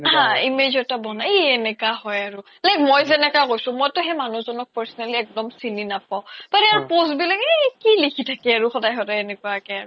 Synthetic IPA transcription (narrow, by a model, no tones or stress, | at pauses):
ɦãimed͡ʒɔtabɔnaeɛnɛkaɦɔjaɹu | lakmojzɛnɛkakojsʊ̃mojtʊɦɛmanuzɔnɔk̚paɹsɔnaliɛk̚dɔmsininapaʊpaɹɛaɹposbilaɡɛkilikʰitʰakɛaɹuxɔdajxɔdajɛnɛkuakɛaɹu